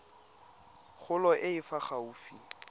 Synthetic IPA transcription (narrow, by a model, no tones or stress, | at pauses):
χʊlɔʔɪɪfaχauːfi